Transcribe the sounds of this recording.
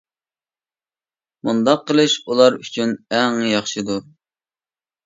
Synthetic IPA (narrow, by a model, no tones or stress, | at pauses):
mund̪ɑqʰːəlˠɨʃulˠɑɾyt͡ʃʰynɛŋjɑχʃɨd̪u